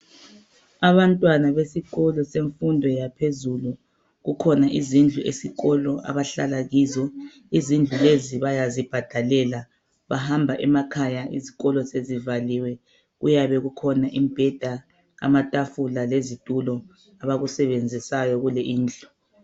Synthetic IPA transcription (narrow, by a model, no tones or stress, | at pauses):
aβantʼwanaβesiɣɔlɔseɱfundʱɔjapʰezulu | ɣukʰɔnaʔizind͡ɮʱuʔḛsiɣɔlɔʔa̰βaɬalaɣizɔ | izind͡ɮʱuleziβajazib̥ʱad̥ʱalɛla | βaɦambʱaʔɛmakʰajaʔiziɣɔlɔsezivaliwɛ | ɣṵjaβɛɣukʰɔnaʔimbʱɛd̥ʱa | a̰matʼafulalezid̥ʼulɔ | aβaɣusɛβend͡zʱisajɔɣulɛʔiːnd͡ɮʱu